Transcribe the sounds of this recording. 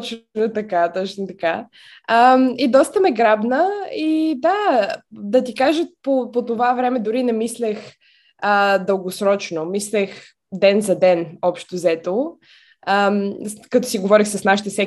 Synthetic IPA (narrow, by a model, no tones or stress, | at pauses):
t͡ʃnot̪ɐkat̪ɔt͡ʃnot̪ɐka | əmid̪ɔst̪əmɛɡɾabnəid̪a | d̪ɐt̪ikaʒəpopot̪ovavɾɛmɛd̪ʊɾinɛmislɛx | əd̪əlˠɡosɾɔt͡ʃnomislɛx | d̪ɛnzɐd̪ɛnɔpʃt̪ozɛt̪o | əmkɐt̪ɔsiɡovɔɾixsəsnaʃit̪ɛsɛ